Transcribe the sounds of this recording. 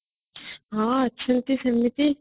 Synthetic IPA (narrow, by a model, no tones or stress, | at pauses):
ɦãːɐtːʃʰɐnt̪isɐmːit̪i